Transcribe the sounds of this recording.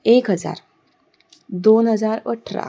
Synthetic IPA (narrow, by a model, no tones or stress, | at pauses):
ekɦəd͡za̰ɾ | d̪onɦəd͡zaɾʋə̰ʈʰɾa̰